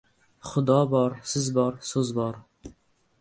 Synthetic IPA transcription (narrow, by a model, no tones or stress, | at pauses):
χʊd̪ɒbɒɾsɪzbɒɾsɵzbɒɾ